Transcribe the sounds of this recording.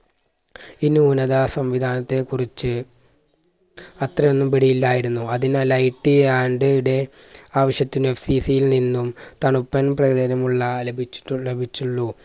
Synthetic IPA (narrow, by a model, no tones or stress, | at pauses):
inːɨunɐðaːsɐmʋid̪ʱaːnɐt̪ːe̞kurit͡ɕːɨ | ɐt̪rɐjonːumpiɽijilːaːjiɾunːuɐðinɐlɐjʈːiaːɳɖɨɽe̞ | aːʋɐɕjɐt̪ːine̞fsiːsijilninːumt̪ɐɳupːɐnprɐɣɐðɐnɐmuɭːɐlebʱit͡ɕːi̥ule̞bʱit͡ɕːuɭːu